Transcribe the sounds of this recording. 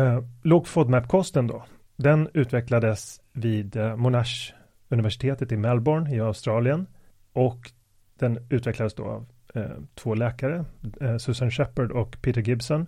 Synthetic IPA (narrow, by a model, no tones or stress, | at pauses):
lɔːɡfɔd̪mæpːkʰɔst̪ənd̪ɔ̰ | d̪ɛnʉ̟ːt̪vɛklad̪əsviːd̪mʊnaʂ | ɵnɪvæʂɪ̥t̪ʰeːt̪ət̪ɪmɛlbɔɳɪaʊst̪ɾɑːlɪən | ʔɔk | d̪̥ɛnʉ̟ːt̪vɛklad̪əsd̪o̰ːa̰v | t̪ʰvoːlɛːkaɾəsɵsanɕɛpəɖɔkpʰeːt̪əɾɡɪbsɔn